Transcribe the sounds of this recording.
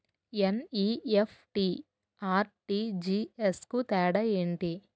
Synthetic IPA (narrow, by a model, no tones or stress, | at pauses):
eniefʰʈi | aːɾʈid͡ʒiːeskut̪ɛːɽɐeːɳʈi